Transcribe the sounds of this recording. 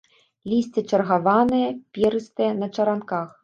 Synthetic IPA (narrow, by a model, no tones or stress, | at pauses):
lʲisʲt͡sʲɛt͡ʂɐrɣavanɨjɐpʲɛɾɨst̪ɨjɛnɐt͡ʂɐɾankax